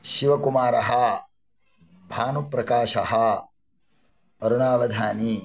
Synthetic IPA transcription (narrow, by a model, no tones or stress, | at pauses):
ʃiʋɐkumaːɾɐɦɐ | bʱaːnupɾɐkaːʃɐɦɐ | ɐɾuɳaːʋɐd̪ʱaːni